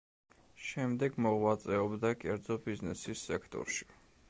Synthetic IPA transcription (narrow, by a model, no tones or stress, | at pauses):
ʃɛmd̪ɛɡmɔʁwat̪sʼɛɔbd̪akʼɛɾd̪zɔbiznɛsisːɛkʰt̪ʼɔ̰ɾʃi̥